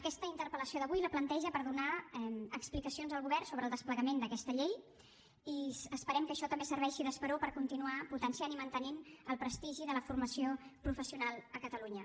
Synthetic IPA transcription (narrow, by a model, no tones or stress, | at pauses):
əkɛst̪əint̪əɾpələsjoðəβujləplənt̪ɛʒəpəɾðunaɛməksplikəsionzðəlˠɣuβɛrnsoβɾəlˠd̪əspləɣəmend̪əkɛst̪əʎej | iəspəɾɛmkəʃɔt̪əmbesəɾβɛʃiðəspəɾopəɾkunt̪inuaput̪ənsianimənt̪ənenəlˠpɾəst̪iʒiðələfurməsiopɾufəsiunalˠəkət̪əluɲə